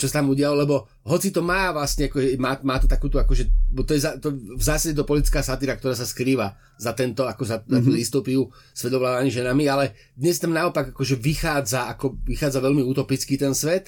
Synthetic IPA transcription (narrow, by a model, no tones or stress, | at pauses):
t͡ʃɔsat̪amuɟɪalɔlɛbɔ | ɦɔt͡sit̪ɔmaːʋlasɲɛakɔʒɛmaːmaːt̪ɔ̥t̪akuːt̪uakɔʒɛbt̪ɔjɛzat̪ɔvzaːsaɟɛt̪̬ɔpɔlit̪it͡skaːsat̪iɾakt̪ɔɾaːs̬askɾiːʋa | zat̪ɛnt̪ɔakɔzaat̪ud̪ist̪ɔpiu | sʋɛd̪ɔʋlaːd̪amiʒɛnamialɛ | d̪ɲɛst̪amnaɔpaɡakɔʒɛʋixaːd͡zaakɔʋixaːd͡zaʋɛlmiut̪ɔpit͡skit̪ɛnsʋɛt̪